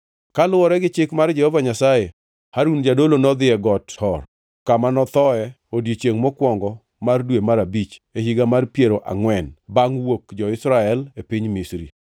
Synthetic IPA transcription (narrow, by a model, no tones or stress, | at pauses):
kalʊwɔɾɛɡɪt͡ʃɪkmard͡ʒɛhovaɲasaje | haɾund͡ʒadolonɔd̪ɪɛɡɔthɔr | kamanɔt̪ɔɛ | odjet͡ʃeŋmɔkwɔŋɡɔ | mardwemaɾabit͡ʃehiɡamarpjeɾoʔa̰ŋwɛnbaŋwokd͡ʒɔɪsɾaɛlepiɲmisɾḭ